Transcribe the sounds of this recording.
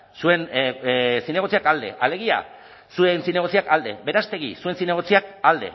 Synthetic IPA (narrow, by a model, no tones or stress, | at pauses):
sue̞n | sine̞ɣ̞o̞t͡siakald̪e̞̰ʔale̞ɣ̞ia̰ | suensine̞ɣ̞o̞t͡siakald̪e̞̰βe̞ɾast̪e̞ɣisue̞nsine̞ɣ̞o̞t͡siak̚ald̪e̞̰